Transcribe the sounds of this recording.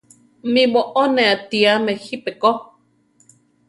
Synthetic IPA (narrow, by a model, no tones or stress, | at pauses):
mĩmoʔoneat̪iamexipeko